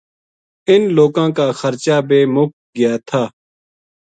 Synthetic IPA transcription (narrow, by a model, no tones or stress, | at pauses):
ɪnloːkãːkaːxəɾt͡ʃaːbeːmʊk̚ | ɡɪjaːt̪ʰaː